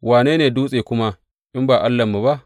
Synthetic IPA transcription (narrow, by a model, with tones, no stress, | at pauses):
waː˨neː˦neː˨duː˦sʼeː˨kʷʊ˦ma˦ | ʔɪ˦mbaː˨ʔa˦lːɐ˨mːu˨ba˦ʔʔ